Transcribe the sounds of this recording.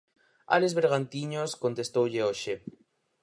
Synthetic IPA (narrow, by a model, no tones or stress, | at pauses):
a̰lezβeɾɣant̪iɲoskont̪est̪owʎeoʃe